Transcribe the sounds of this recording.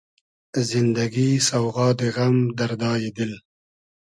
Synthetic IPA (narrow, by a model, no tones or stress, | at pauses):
zɪnd̪aɡisawɣɑːd̪əɣamd̪aɾd̪ɑːjed̪ɪl